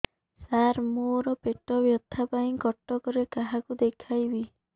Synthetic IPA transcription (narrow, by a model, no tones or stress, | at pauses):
saɾmoɾɔpeʈɔbjɔt̪ʰːapaĩkɔʈːɔkɔɾekaɦakud̪ekʰajbi